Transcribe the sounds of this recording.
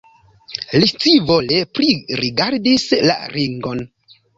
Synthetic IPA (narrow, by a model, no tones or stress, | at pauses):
lit͡sivo̞le̞pɾiɾiɡaɾdisla̰ɾʔiŋɡo̞n